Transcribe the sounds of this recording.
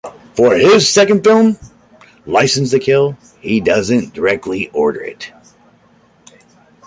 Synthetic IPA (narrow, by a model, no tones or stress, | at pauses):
fə˞ɪz̥sɛkɨ̃nd̥fɪlˠm | laɪsn̩zðɨkʰɪlˠ | hidʌzɨ̃nd̥ə˞ɛk̚tʰˡliʔɔɹɾə̰˞ɪ̰t̚